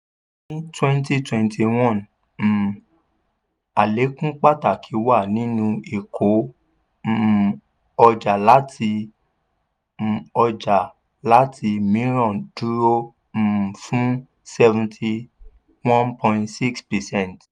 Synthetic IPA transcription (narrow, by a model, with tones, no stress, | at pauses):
nĩ˦twɛ̃˦nti˧twɛ̃˨ntʰi˨w̃ɔ̃˦˨n | m̩˨ | a˨le˨˦kũ˦k͡pa˦ta˦˨kʰi˨˦wa˦˨nĩ˨˦nũ˧i˨kʰo˨˦˨ | ɔ˧d͡ʒa˨la˨˦tʰi˧˨ | ɔ˧d͡ʒa˨ | la˨˦tʰi˧mĩ˦˨˦ɾɔ̃˨d̥u˦ɾo˦ | m̩˨fũ˦ | sɛ˦vũ˧tʰi˧ | wɔ̃˦npʰɔ̃˧ĩ˧ntsi˦kspɛ˨sɛ̃˦˨nt